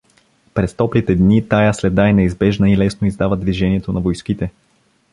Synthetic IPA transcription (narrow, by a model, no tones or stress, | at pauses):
pɾɛst̪ɔplit̪ɛd̪nit̪ajaslɛd̪aɛnɛizbɛʒnəilɛsnoizd̪avəd̪viʒɛniɛt̪onɐvojskit̪ɛ